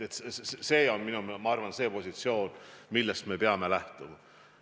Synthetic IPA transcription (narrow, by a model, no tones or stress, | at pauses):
et̪seːo̞nminumemɑɑrvɑnseːpo̞sit̪sio̞ːnmilːest̪me̞pe̞ɑme̞læht̪umɑ